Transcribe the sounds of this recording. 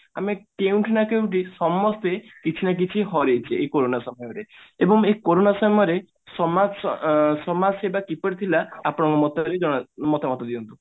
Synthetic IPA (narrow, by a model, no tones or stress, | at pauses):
a̰mekeũʈʰinakeũʈ̬isɔmːɔst̪ekit͡ʃʰinak̬it͡ʃʰiɦɔɾejt͡ʃʰeːkoɾonasɔmɔjɔɾeebɔŋekoɾonasɔmɔjɔɾe | sɔma | sɔmad͡ʒsebakipɔɽit̪ʰilaapɔɽ̃ɔ̃ŋkumɔt̪ɔɾid͡ʒɔɽ̃mɔt̪ʰɔmɔt̪ɔd̪iɔnt̪u